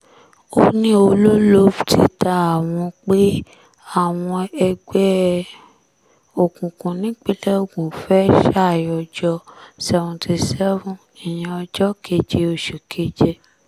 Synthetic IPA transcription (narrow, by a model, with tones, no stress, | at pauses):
o˦nĩ˦o˧lo˦lo˦ftʰi˦ta˧a˨w̃ɔ̃˧k͡pe˦ | a˦˨w̃ɔ̃˧ɛ˧ɡɛ˦ | o˨kũ˨kũ˨nĩ˨˦k͡pe˦lɛ˦o˦˨ɡũ˨fɛ˦ʃa˦˨jɔ˧d͡ʒɔ˦sɛ˨vɔ̃˨tʰi˧sɛ˦vɔ̃˨ | i˨j̃ĩ˨ɔ˧d͡ʒɔ˦kʰe˧˦d͡ʒe˧o˧˨ʃo˨kʰe˦d͡ʒe˧